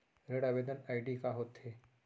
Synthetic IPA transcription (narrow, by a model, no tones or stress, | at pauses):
ɾeɽaʋed̪ənaiɖikaɦot̪ɦe